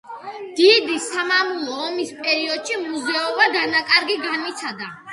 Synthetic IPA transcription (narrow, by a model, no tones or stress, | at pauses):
d̪̥id̪isamamulˠɔːmispʼɛɾiɔd̪̥ʃimuzɛɔbaɡ̪anakʼaɾɡiɡanwit̪sʰad̪a